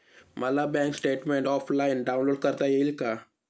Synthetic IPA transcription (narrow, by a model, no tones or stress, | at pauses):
məlabɛ̃ŋksʈeʈmẽɳʈɔfʰlainɖaũnloɖ̚kəɾt̪ajeilka